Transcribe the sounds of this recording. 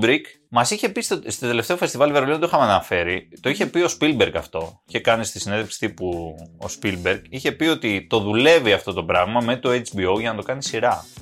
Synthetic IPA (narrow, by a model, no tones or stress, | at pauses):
bɾik | mɐsiçe̞pist̪ost̪o̞t̪e̞le̞ft̪eofe̞st̪ivɐlivɐɾolinnt̪oixɐmɐnɐfe̞ɾit̪o̞içe̞pio̞spilbe̞ɾkɐft̪o̞içe̞kɐnist̪isineðefksi̥t̪ipuo̰spilbe̞ɾkiçe̞pio̞t̪it̪o̞ðule̞viɐft̪o̞t̪o̞pɾɐɣmɐme̞t̪oet͡ʃbio̞wʝɐnɐt̪o̞kɐnisiɾɐ